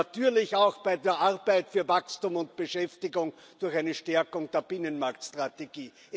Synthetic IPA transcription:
atyːɐlɪçaɑʊxb̥aɪdeːɐʔaʁbæɪtfyːɐvakstuːmʊnt̚b̥əʃɛftɪɡʊŋ | d̥ʊɐxaɪnəʃtɛɐkʊŋd̥eːɐb̥ɪnənmaɐktstʁ̥ateɡ̥iː

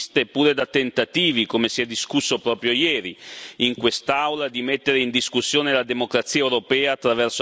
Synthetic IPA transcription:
st̪epːuːɾed̪at̪ːent̪at̪iːvikomesiɛd̪ːiskusːopɾɔːpɾjojɛːɾiiŋkwest̪awlad̪imet̪ːeɾeind̪iskusːjoːnelad̪emokɾat̪siːaewɾopɛːaːt̪ːɾavɛrso

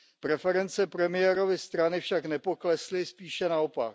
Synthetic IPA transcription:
pɾɛfɛɾɛnt͡sɛpɾɛmɪjɛɾo̞vɪst̪ɾanɪfʃaknɛpo̞klɛslɪspiːʃɛnao̞pa̰k

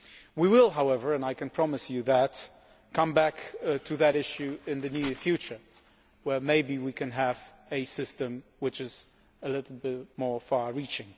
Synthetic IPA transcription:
wiwɪlˠɦaʊɛvə˞ɨ̃naɪkʰɨ̃npʰɹ̥ɑmɨsjɨðɨt | kʰʌ̃mbæktʰɨðɨɾɪʃjʉɪ̃nðɨnjʉə˞fjʉt͡ʃə˞ | wə˞meɪbiwikʰɨ̃nɨvɨsɪstɨ̃mwɨt͡ʃɨz | əlɪɾl̩ˠbɪt̚mɔɹfɑɹɹit͡ʃɪ̃ŋ

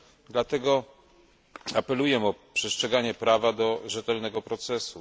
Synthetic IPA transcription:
d̪lat̪ɛɡɔ | apɛlujɛmɔpʂɛstʂɛɡaɲɛpɾavad̪ɔʐɛt̪ɛlnɛɡɔpɾɔt̪sɛsu

